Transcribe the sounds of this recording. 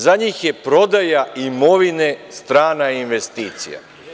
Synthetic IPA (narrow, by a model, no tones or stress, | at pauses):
zaɲiːxje̞pɾo̞d̪ajaimo̞ʋine̞st̪ɾaːnainʋe̞st̪iːt̪sḭja̰